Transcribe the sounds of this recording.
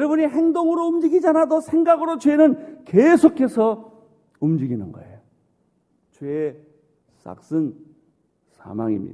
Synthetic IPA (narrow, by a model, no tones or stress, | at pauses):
jɾʌbuɲiɦeŋdoŋɯɾoumd͡ʑiɡid͡ʑanadosʰe̞ŋɡaɡɯɾot͡ɕwe̞nɯnkesʰokʰe̞sʰʌ | umd͡ʑiɡinɯnɡʌ̰ejo | t͡ɕwe | sa̰k̚s͈ɯn | sʰa̰ma̰ŋḭmɲḭ̥a